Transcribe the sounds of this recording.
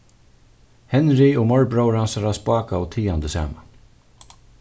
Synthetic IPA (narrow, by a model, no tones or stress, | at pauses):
hɛnɾɪʊmɔɹbɾɔwɾhansaɾaspaːkaɔt̪ʰiːant̪əsa̰ːman